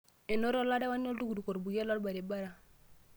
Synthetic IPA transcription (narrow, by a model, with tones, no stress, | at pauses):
e˨no˦ɾo˦la˦de˦wa˦n˦o˦ldu˦ɡu˨du˨ko˨ɾbu˨ɡe˦lːɔ˦lba˨ɾe˨ba˦ɾa˨